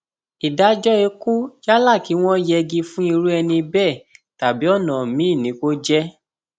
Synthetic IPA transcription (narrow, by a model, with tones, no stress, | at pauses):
i˨da˨˦d͡ʒɔ˦e˧ku˦d͡ʒa˦la˦˨ki˨˦w̃ɔ̃˦jɛ˧ɡi˧fũ˦i˧ɾu˦ɛ˧nĩ˧bɛ˦˨ta˨bi˦ɔ˦˨nã˨mĩ˨˦i˦˨nĩ˨˦ko˦d͡ʒɛ˦